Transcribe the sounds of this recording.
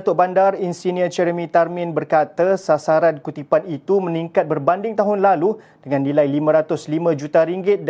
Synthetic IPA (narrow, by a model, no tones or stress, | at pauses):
t̪ʊʔbandarinsiniət͡ʃɛɾəmĩt̪armɪ̃nbərkat̪əsasaɾankut̪ipanit̪uməniŋkat̪̚bərbandɪŋt̪aɦʊnlaludəŋanːilajlimə̃ɾat̪ʊslimãd͡ʒut̪aɾiŋɡɪt̪̚d